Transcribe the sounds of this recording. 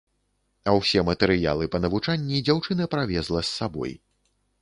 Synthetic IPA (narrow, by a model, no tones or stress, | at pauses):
ɐwsʲɛmɐt̪ɛɾɨja̰lˠɨpɐnɐvut͡ʂanʲːid͡zʲawt͡ʂɨnɐpɾavʲɛzlˠɐsːabɔ̰j